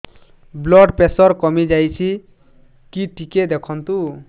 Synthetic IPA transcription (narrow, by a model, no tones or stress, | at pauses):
blɔɖpesɔɾkɔmid͡ʒajt͡ʃʰi | kiʈiked̪ɛkʰɔnt̪u